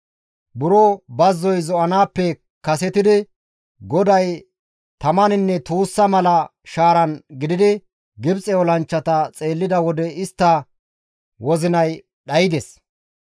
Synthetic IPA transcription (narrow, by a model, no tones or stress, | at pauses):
bʊɾɔbɐzːɔjzɔʔɐnaːpːɛ | kɐsɛt̪ɪd̪ɪ | ɡɔd̪ɐj | t̪ɐmɐnɪnːɛt̪uːsːɐmɐlɐʃaːɾɐnɡɪd̪ɪd̪ɪ | ɡɪbt͡sʼɛɔlɐnt͡ʃːɐt̪ɐt͡sʼe̞ːlːɪd̪ɐwɔd̪ɛɪst̪ːɐ | wɔzɪnɐj | ɗɐjɪd̪ɛs